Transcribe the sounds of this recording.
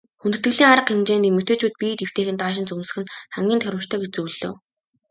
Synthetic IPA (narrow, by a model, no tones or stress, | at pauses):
xunt̪ɘ̥̆t̪ɡɘ̆ɮiːŋaɾə̆qxemt͡ɕeːniːmɵt̪eːt͡ɕuːt̪̚pit̪ew̥t̪eːxɘ̆nt̪aːʃ̬ɪ̆nt͡sɵmsɘ̥̆xɘ̆nχæmɡʲiːnt̪ʰœɾʲɪ̆mt͡ɕt̪ʰœːɡet͡ɕt͡sujɮo̰ː